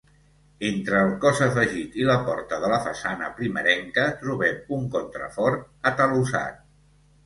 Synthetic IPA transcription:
ent̪ɾəːlˠkɔzəfəʒit̪iləpɔɾt̪əðələfəsanə̰pɾiməɾɛŋkət̪ɾuβɛmuŋkont̪ɾə̰fɔɾt̪ | ət̪əlusa̰t̪̚

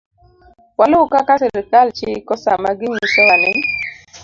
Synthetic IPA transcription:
walʊkakasɪlɪkalt͡ʃɪkɔsamaɡɪɲisɔwanɪn

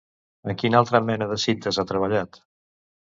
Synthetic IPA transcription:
əŋkinalˠt̪ɾəmɛnəðəsint̪əzat̪ɾəβ̞əʎat̪

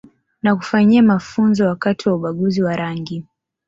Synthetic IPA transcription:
nak̬u̥faɲiamafunzɔwakatiwauɓaɠuziwaɾaŋɡi

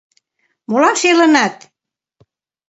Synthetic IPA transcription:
molɑmʃelə̆nɑt̪

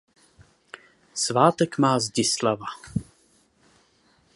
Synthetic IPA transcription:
svaːt̪ɛkmaːzɟɪslava

